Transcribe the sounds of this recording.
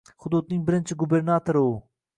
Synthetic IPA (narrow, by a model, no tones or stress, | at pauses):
χʊd̪ud̪̚nɪŋbɪɾɪnt͡ʃʰɪɡubeɾnɑt̪ʰoɾɨu